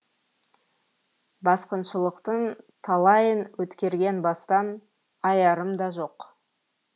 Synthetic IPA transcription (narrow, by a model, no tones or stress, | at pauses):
bɑsqənʃəlˠəqt̪ənt̪ʰɑlˠɑjənwɵt̪kʲe̞ɾɡʲe̞nbɑst̪ɑn | ɑjɑɾəmd̪ɑʒo̞q